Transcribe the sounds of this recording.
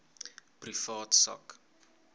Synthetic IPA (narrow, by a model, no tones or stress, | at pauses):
prifɑːtsɐ̰k